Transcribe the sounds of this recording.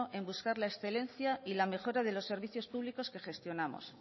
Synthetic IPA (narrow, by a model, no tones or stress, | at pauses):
oʔe̞mbuskaɾlaesθe̞le̞nθjailame̞xo̞ɾaðe̞lo̞sːe̞ɾβiθjo̞spuβliko̞ske̞xe̞st̪jo̞namo̰s